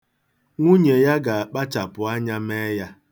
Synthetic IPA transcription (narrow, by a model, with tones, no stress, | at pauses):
ŋʷu˦ɲe˨ja˦ɡa˨a˨k͡pa˦t͡ʃa˨pʊ˨a˦ɲa˦me˦ja˦